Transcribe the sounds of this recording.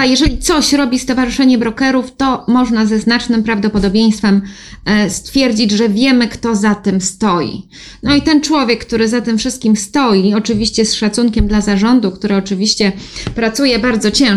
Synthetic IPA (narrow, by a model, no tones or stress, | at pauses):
ajɛʐɛlʲit̪sɔɕɾɔbʲist̪ɔvaʐɘʂɛɲɛbɾɔkɛɾuft̪ɔmɔʐnazɛznat͡ʂnɘmpɾavd̪ɔpɔd̪ɔbʲjej̃st̪fɛm | st̪fʲjɛɾd͡ʑid͡ʑʐɛvʲjɛmɘkt̪ɔzat̪ɘmst̪ɔjḭ | nɔit̪ɛnt͡ʂwɔvʲjɛkːt̪uɾɘzat̪ɘmfʂɘst̪̚kʲimst̪ɔjiɔt͡ʂɘvʲiɕt͡ɕɛsʂat̪suŋkʲɛmd̪lazaʐɔnd̪ukt̪uɾɛɔt͡ʂɘvʲiɕt͡ɕɛpɾat̪sujɛbaɾd̪zɔt͡ɕɛ̃